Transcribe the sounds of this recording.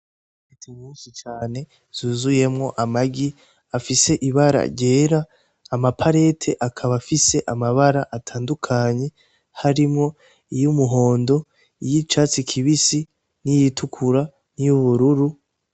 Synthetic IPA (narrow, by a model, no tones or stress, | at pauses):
fitimuːnsit͡ʃaːne̞ | z̥uːzuje̞mŋo̞ʔamaɡi | afise̞ʔiβaɾa̰ɟe̞ːɾaː | mapʰaɾe̞tʰe̞ʔakʰaβafise̞ʔamaβaɾaʔatʰaːndukʰaɲe̞ | haɾimŋo̞ | ijumuɦo̞ːndo̞ | ijit͡ʃat͡sikʰiβisi | nijitʰukʰuɾa | nijuβuɾuɾu